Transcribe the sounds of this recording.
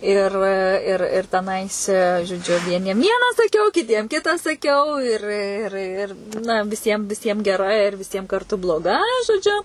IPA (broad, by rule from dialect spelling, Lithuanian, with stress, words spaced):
ɪr ˈɪr ɪr tʲɛˈnɐɪs ʒoːˈd͡ʒʲʊ ʋʲiɛˈnʲiɛm ˈʋʲiɛnɑː sɐˈkʲɛʊ kʲɪˈtʲiɛm ˈkʲɪtɐ sɐˈkʲɛʊ ɪr ˈɪr ˈɪr nɐ ʋʲɪˈsʲiɛm ʋʲɪˈsʲiɛm ɡʲɛˈrɐ ɪr ʋʲɪˈsʲiɛm kɐrˈtʊ blˠoːˈɡɐ ʒoːˈd͡ʒʲʊ